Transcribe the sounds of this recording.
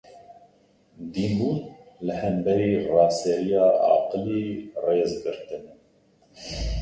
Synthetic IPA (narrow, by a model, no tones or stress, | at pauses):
d̪iːmbuːnlɨhɛmbɛɾiːrɑːsɛɾijɑːʔɑ̰ːqɨliːreːzɡɨɾt̪ɨnɛ